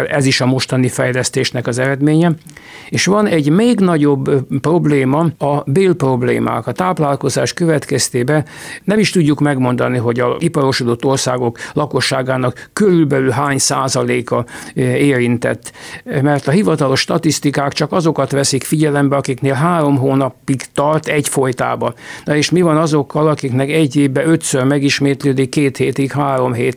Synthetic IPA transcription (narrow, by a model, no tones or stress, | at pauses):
lɛziʃɒmo̞ʃt̪ɒnifɛjlɛst̪eːʃnɛkɒzɛɾɛd̪meːɲɛ | eːʃʋɒnɛɟmeːɡnɒɟo̞bːpro̞bleːmɒɒbeːlpro̞blḛːma̰ːkɒt̪aːplaːlko̞zaːʃkøvɛt̪kɛst̪eːbɛnɛmiʃt̪uɟːukmɛɡmo̞nd̪ɒniɦo̞ɟɒʔipɒɾo̞ʃod̪o̞t̪ːo̞rsaːɡo̞klɒko̞ʃːaːɡaːnɒkːøɾylbɛlylɦaːɲsa̰ːzɒleːkɒeːɾint̪ɛ̰t̪ːmɛrt̪ɒɦivɒt̪ɒlo̞ʃːt̪ɒt̪ist̪ikaːkt͡ʃɒkɒzo̞kɒt̪ʋɛsikfiɟɛlɛmbɛɒkikneːlɦaːɾo̞mɦoːnɒpːiɡt̪ɒrt̪ɛɟfo̞jt̪a̰ːbɒnɒeːʃmivɒnɒzo̞kːɒlɒkiknɛkɛɟːeːbːɛø̞t̪sørmɛɡiʃmeːt̪løːd̪ikːeːt̪heːt̪ikhaːɾo̞mɦeːt̪